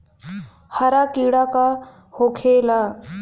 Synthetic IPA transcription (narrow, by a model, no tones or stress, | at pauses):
haɾakiɽaka | hokʰela